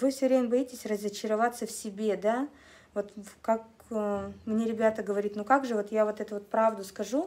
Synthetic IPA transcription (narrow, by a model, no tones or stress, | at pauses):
vɨfsʲɵvɾʲemʲəbɐjitʲɪsʲrəzət͡ɕɪɾɐvat̪sːəfsʲɪbʲe̞d̪a | vo̞t̪kak | mnʲeɾʲɪbʲat̪əɡəvɐɾʲit̪ʲnukakʐɨvo̞t̪javo̞t̪ɛt̪ʊvo̞t̪pɾavd̪ʊskɐʐu